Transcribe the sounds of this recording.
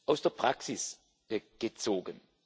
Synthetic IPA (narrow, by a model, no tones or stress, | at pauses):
ʔaʊsd̥eːɐpʁ̥aksɪs | ɡ̥ət͡soːɡən